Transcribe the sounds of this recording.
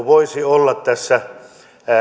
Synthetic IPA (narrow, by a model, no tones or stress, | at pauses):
ʋoisiolːɑt̪t̪æsːæ